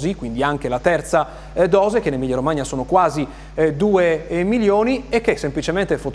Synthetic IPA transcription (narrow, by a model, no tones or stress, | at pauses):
zikwind̪iaŋk̟elat̪ɛrt̪sa | d̪ɔːzekenːemiʎːaɾomaɲasoːnokwaːzi | d̪uːemiljoːniek̟ːesːemplit͡ʃement̪efot̪